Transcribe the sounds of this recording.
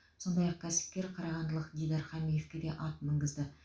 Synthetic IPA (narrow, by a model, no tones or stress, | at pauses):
so̞nd̪ɑjɑq̚kʲʰæsɪ̥p̚kʲe̞ɾqʰɑɾɑʁɑnd̪əlˠəqɡʲijd̪ɑɾχɑmijefkʲe̞d̪e̞ʔɑt̪̚mɪŋɡɪzd̪ɪ